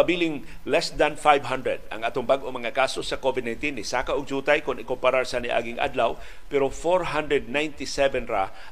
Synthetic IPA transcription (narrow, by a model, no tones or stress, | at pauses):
abiːlɪŋlɛsd̪anfajbɦand̪ɾɛd̪̚ɐ̰ŋʔaːt̪oŋbaɡʔomɐŋakaːsosɐkovɪd̪najnt̪inːɪsaːkaʔʊɡ̚d͡ʒuːt̪ajkʊnɪkompaɾaɹsaniʔa̰ːɡɪŋʔa̰d̪law | pɛɾofoɹɦand̪ɹɛd̪̚najnt̪ɪsɛvɛnɾa